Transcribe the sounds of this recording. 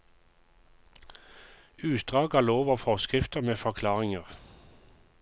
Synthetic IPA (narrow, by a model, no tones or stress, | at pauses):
ʉːt̪d̪ʁɑːɡɑːloːʋəfɔʁskʁɪft̪əʁmeːfɔʁkʰlɑːʁɪŋəʁ